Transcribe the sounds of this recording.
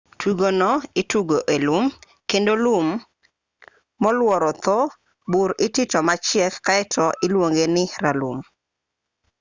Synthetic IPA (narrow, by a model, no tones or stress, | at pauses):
tʰuɡonɔɪtuɡoʔelum | kendolum | ɔlwɔɾɔt̪o | buɾɪtɪtɔmat͡ʃɪɛkkaɛtʰɔʔɪlwoŋɡenɪɾalṵm